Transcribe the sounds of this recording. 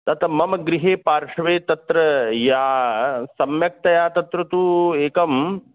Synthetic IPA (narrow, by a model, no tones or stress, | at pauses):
t̪ɐt̪ɐmɐmɐɡɾiɦeːpaːɾʂɐʋeːt̪ɐt̪ɾɐjaːsɐmjɐk̚t̪ɐjaːt̪ɐt̪ɾɐt̪uːeːkɐm